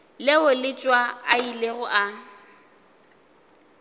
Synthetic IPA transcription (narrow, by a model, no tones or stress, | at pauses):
lɪʊlɪt͡ʃʼwaaileɣʊʔa